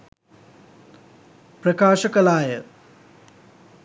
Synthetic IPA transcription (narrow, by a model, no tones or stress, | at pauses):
pɾɐkaːʃɐkɐlaːjɐ